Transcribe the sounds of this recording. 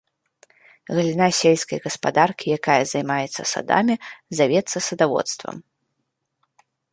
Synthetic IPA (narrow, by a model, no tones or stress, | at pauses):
ɣɐlʲinasʲelʲsʲkɐ̰jɣɐspa̰d̪arkʲijakajɐzajmajɛt̪sːɐ̰sa̰d̪a̰mʲizavʲɛt̪sːɐsɐd̪avɔ̰t̪st̪vɐ̰m